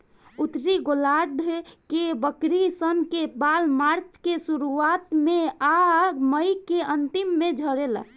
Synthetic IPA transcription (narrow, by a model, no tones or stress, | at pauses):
ut̪ɾiɡolaɖ̪ʱkebəkɾisənkebalmaɾt͡ʃkesuɾuat̪meaɡməjkeənt̪imːed͡ʒʱəɾela̰